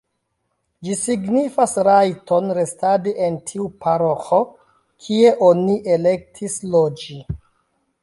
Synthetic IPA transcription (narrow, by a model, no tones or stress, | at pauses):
d͡ʒisiɡnifasɾajto̞nɾe̞stadeʔentʰiupʰaɾoxo | kʰie̞ʔoniʔele̞k̚tʰislod͡ʒi